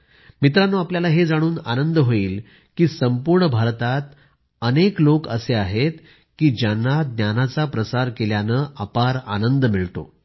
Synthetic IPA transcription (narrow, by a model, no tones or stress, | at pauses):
mit̪ɾanːuːapljalaɦed͡zaɽ̃uːna̰nənd̪əɦoiːl | kiːsəmpuɾɳəbʱaɾt̪at̪ | əneklokə̰seaɦet̪ | kiːd͡ʑjanːad̪njanat͡sapɾəsaɾkeljanəapaɾa̰nənd̪əmiɭt̪o̰